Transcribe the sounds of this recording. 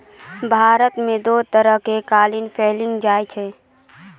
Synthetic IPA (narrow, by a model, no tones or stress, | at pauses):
bʱaːɾət̪mẽd̪oːt̪əɾəɦkekaːlɪnpʰeːlɪ̃ŋɡd͡ʒaːjt͡ʃʰeː